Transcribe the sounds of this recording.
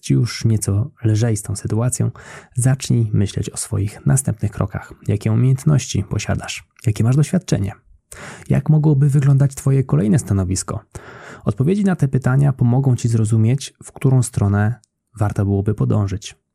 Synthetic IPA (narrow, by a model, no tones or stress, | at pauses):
t͡ɕijuʂɲɛt̪sɔlʐɛjst̪ɔ̃w̃sɘt̪uat̪sʲjɔ̰̃w̃zat͡ʂɲimɘɕlɛ̰t͡ɕɔsfɔ̰jixnast̪ɛmpnɘxkɾɔ̰ka̰xjakʲɛumʲjejɛnt̪nɔɕt͡ɕḭpɔɕa̰d̪aʂ | jakʲɛmaʐd̪ɔɕfʲjat̪̚t͡ʂɛ̰ɲɛ̰ | ja̰kmɔɡwɔbɘvɘɡlɔnd̪at͡ɕt̪fɔjɛkɔlɛjnɛst̪anɔvʲiskɔ̰ɔt̪̚pɔvʲjed͡ʑinat̪ɛpɘt̪aɲapɔmɔɡɔ̃w̃t͡ɕizɾɔzumʲjet͡ɕfkt̪uɾɔ̃w̃st̪ɾɔnɛ | vaɾt̪ɔbɘwɔbɘpɔd̪ɔ̃w̃ʐɘt͡ɕ